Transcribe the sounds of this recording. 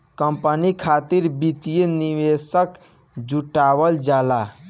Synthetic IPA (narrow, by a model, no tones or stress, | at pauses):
kəmpənikʰat̪iɾbit̪ijeniwesək | d͡ʒuʈawəld͡ʒala